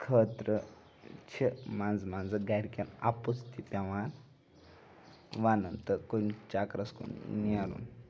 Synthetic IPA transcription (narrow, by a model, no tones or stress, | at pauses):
kʰət̪ɾə | t͡ʃʰemand͡zmand͡zɨɡajɾkʲena̰put͡st̪ipʲaʋaɾ | ʋanənt̪əkont͡ʃakɾɐskṵnniaɾṵn